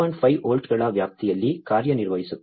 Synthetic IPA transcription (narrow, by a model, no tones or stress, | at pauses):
ɐnfɐɪʔoːlʈkɐɭaːʋjaːk̚t̪ɪjɐlːikaːɾjɐnɪɾʋɐjɪsɯ